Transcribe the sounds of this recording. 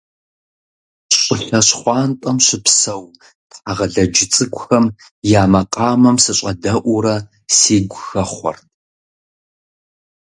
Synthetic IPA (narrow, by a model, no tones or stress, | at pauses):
ɕʷʼʊɬɐɕχʷɑːntʼɐmɕɪpsɐw | tħaʁɐɮɐd͡ʒɪt͡sʼɨkʷʼxɐm | jaːmɐqʼɑːmɐmsɨɕʷʼɐdɐʔʷʊɾɐ | siːɡʷʊxɐχʷɔ̰rtʰ